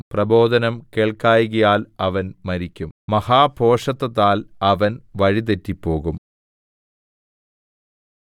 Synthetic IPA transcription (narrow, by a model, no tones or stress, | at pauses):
prɐbo̞ːd̪ɐnɐmkeːɭkːaːjɣɐjaːlɐʋɐnmɐɾikʲːummɐhaːbʱo̞ːʂɐt̪ːɐt̪ːaːlɐʋɐnʋɐɻit̪etːipːo̞ːɣum